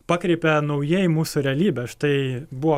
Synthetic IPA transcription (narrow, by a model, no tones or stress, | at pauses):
pɑːkɾʲɛɪpʲɛnɐʊjeːjmuːsʊɾʲɛɐlʲiːbʲɛʃt̪ɐɪbʊʋɔː